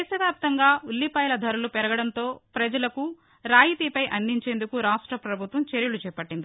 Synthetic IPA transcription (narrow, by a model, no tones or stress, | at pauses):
esɐʋjaːp̚t̪ɐŋɡaːulːipɐːjlɐd̪ʱɐɾulupɛɾɐɡɐɽɐnt̪o̞ːpɾɐd͡ʒɐlɐku | ɾaːjit̪ipɐjʔɐnd̪iɲt͡ʃe̞ːnd̪ukuɾaːʂʈɾɐpɾɐbʱut̪ʋɐmt͡ʃeɾjɐlut͡ʃɛːpɐʈːind̪i